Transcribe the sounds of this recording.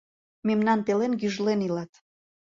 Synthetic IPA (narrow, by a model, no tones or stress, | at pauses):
memnɑnt̪elenɡyʒlenilɑt̪